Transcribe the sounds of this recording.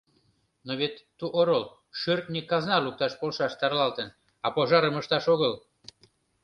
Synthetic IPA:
noβet̪ːuʔoɾol | ʃørt̪̚nikɑznɑluk̚t̪ɑʃpolʃɑʃt̪ɑrlɑlt̪ən | ɑpoʒɑɾəməʃt̪ɑʃoɣəl

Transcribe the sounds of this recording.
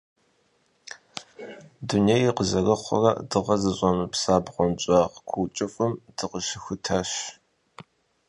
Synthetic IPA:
dunejqəzɐrɐχʷɔ̰rɐ̰dɨʁɐzɨɕʷʼɔmɨpsaːbʁʷɔnt͡ʃʼɑːʁkʷʰuwt͡ʃʼɪfɨmd̥ɨqəʃɪxʷʊtʰaːɕ

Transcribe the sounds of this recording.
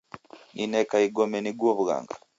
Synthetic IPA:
ninɛkaiɡɔmɛniɡwoβuɣa̰ŋɡa

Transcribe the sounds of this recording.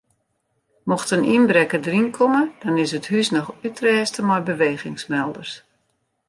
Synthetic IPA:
mɔxtəninbɾɛkədərinkʰɔməd̥ɔnɪsəthysnɔxytrɛːstəmɔjbəʋeːɣɪŋsmɛlˠdərs

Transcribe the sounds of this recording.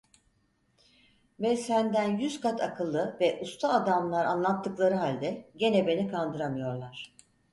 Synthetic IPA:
vɛsænd̪ænjyz̥kʰat̪ʰakʰɯlˠːɯvɛʔust̪ʰaːd̪amlˠaɾa̰nlˠat̪ʰːɯklˠaɾɯɦalʲd̪ɛɟe̞nɛbe̞nikʰand̪ɯɾamɯjo̞ɾlˠaɾ̥

